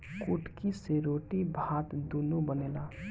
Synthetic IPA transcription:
kuʈkiseɾoːʈibʱaːt̪d̪uːnubəneːlaː

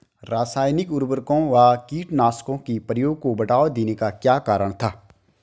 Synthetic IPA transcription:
ɾaːsaːjnɪkʊɾbəɾkõʋaːkiːʈnaːskõkipɾəjoːɡ̚kobɐʈaːʋd̪eːnekakjaːkaːɾəɽ̃t̪ʰaː

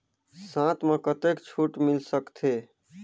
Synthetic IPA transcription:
sãt̪ʰmẽkət̪ekt͡ʃʰuʈmilsəkt̪ʰe

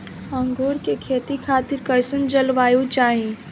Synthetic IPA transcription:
ə̃ŋɡoːɾkekʰeːt̪ikʰaːt̪ɪɾkɐɪsənd͡ʒɐlʋaːjot͡ʃaːɦĩ

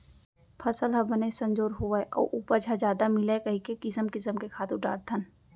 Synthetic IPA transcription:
pʰɐsəlɦɐbənesə̃ɲd͡ʒoːɾɦoʋəeʔɔ̰ːʔuːpəɾd͡ʒʱad͡ʒaːd̪amɪlekɐɦikekɪsəmkɪsəmkekʰaːt̪ũʈa̰ːɾt̪ʰən

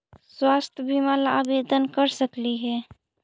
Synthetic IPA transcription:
swaːst̪ʰjəbimaːla̰ːbeːd̪ənkəɾsəkliɦɛː

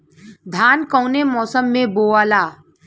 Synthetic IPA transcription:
d̪ʱaːnkɔ̃ːnemɔːsəmːẽboːaːlaː

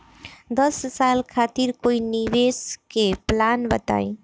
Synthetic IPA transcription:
d̪əsːaːlkʰaːt̪iɾkoːiniʋeːskeplaːnbət̪a̰ːi

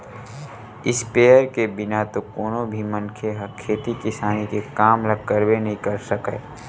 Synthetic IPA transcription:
ɪspeːəɾkebɪnat̪okoːnõbʱimə̃nkʰeɦəkʰeːt̪ikɪsaːnikekaːmləɡ̚kəɾbenɐɦĩkɐɾsəkɛ̰ː

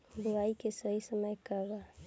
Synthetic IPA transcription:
b̪ʊɾaikesəɦisəməjkəɾːaɦ

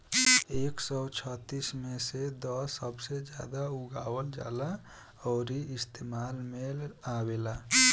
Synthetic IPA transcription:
eːksɔt͡ʃʰət̪ːismẽsed̪ɔsəbsed͡ʒja̰ːd̪auɡaːwəld͡ʒja̰ːla | ɔːɾiɪst̪emaːlmelaweːlaː

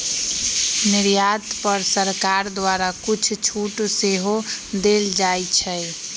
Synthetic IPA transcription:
niɾjat̪pəɾsəɾkaɾd̪waɾakut͡ʃʰt͡ʃʰuʈseɦod̪eld͡ʒajt͡ʃʰəj

